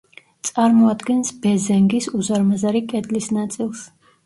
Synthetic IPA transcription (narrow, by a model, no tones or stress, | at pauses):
t̪sʼaɾmɔad̪ɡɛnsb̥ɛzɛŋɡisuzaɾmazaɾikʼɛd̪lisnat̪sʼilˠs